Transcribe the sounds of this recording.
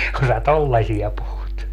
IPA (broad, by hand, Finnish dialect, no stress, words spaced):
kun sæ tolːɑsʲiɑ puhut